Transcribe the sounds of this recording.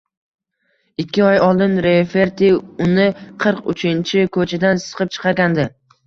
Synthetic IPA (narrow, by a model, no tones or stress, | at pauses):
ɪkʲːɪɒjɒlˠd̪ɪnɾe̞fe̞ɾt̪iʊnɪqʰɨɾqʊ̰t͡ʃʰɪnt͡ʃʰɪkʰɵt͡ʃʰad̪ansɨ̥qʰɨp̚t͡ʃʰɨ̥qʰɑɾɡʲand̪ɪ